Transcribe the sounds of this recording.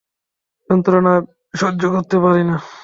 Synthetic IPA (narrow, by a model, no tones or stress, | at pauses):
jɔnt̪ɾona | ʃod͡ʒːokoɾt̪epaɾina